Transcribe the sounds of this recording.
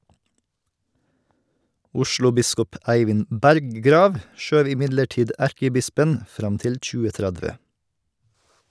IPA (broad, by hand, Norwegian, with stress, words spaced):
ˈʊʃɭʊˌbɪskɔp ˈʔæɪʋɪnd ˈbæɾɡɡɾɑːʋ ˈʃøːʋ ɪˈmɪdləˌʈiːd ˈæɾkəˌbɪspən ˈfɾɑm ˈtɪl ˌc͡çʉːəˈtɾædʋə